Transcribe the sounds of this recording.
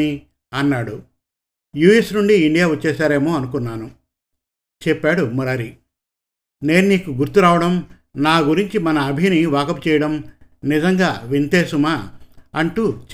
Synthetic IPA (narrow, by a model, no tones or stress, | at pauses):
i | ɐnːaːɽu | juːesnuɳɖiːɳɖijaːʋɐt͡ʃːɛːʃaːɾe̞ːmo̞ːɐnukunːaːnu | t͡ʃɛpːaːɽumɐɾaːɾi | ne̞ːnuniːkuɡuɾt̪uɾaːʋɐɽɐm | naːɡuɾiɲt͡ʃimɐnɐːbʱiniʋaːkɐput͡ʃɛjɐɽɐmnizɐŋɡaːʋint̪eːsumaːɐɳʈut͡ʃ